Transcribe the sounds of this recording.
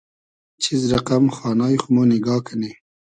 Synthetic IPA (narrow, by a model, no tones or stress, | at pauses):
t͡ʃʰizɾaqamxɑːnɑːjxʊmoːnɪɡɑːkʰane